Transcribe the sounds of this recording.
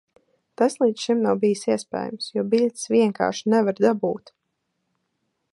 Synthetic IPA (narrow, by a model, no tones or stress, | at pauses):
t̪aslˠiːd̪ʃimnawbijɨsiɛspɛ̰ːja̰msjuɔbiʎʲt̪sʋʲiɛŋka̰ːɾʃinɛvaɾd̪abuːt̪